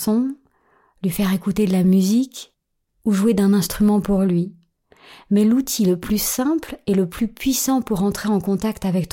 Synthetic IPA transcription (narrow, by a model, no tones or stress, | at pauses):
ɔ̃ | lɥifɛʁekut̪ed̪əlamyzik | uʒued̪ɛ̃nɛ̃st̪χymɑ̃puʁlɥi | mɛlut̪ʰiləplysɛ̃pleləplypɥisɑ̃puʁɑ̃t̪χeɑ̃kɔ̃t̪akt̪avɛk̚t̪